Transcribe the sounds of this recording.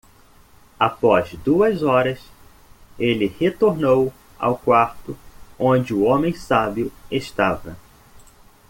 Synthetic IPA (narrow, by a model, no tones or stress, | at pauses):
apɔzd̪uɐzɔɾɐs | elɪhet̪oɾnow | a̰wkwaɾt̪ʊõd͡ʒɪʊõmẽj̃sabjʊeʃt̪avɐ